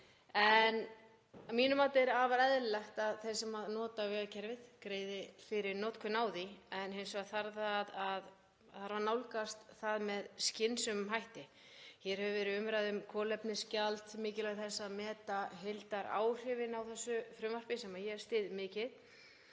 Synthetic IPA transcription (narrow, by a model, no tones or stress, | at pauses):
ɛn | amiːnʏmaːt̪ɪɾavaɾɛðlɛxt̪aðθejsɛmaðnɔːt̪avɛːɣacʰɛɾvɪð̥kɾeːjðɪfɪɾɪɾnɔːt̪kʰʏnaːwðiɛnɦejnsɔɣaθaɾðaðað | θaɾvaɾnawlkast̪θaðmɛðscɪnsʏmɦajht̪ɪ | çɛɾ̥hɛvʏvɛːɾɪʏmɾajðʏmkʰɔːlɛpnɪscalt̪mɪːcɪlɛɣθɛsːaðmɛːt̪aɦejlt̪aɾa̰ːwr̥ɪvɪnawθɛsːʏfɾʏmvar̥pɪsɛmajɛɾ̥st̪ɪːðmɪːcɪð